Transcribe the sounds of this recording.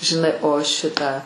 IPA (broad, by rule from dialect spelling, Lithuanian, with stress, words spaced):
ʒʲɪˈnɐɪ oː ˈʃʲɪtɑː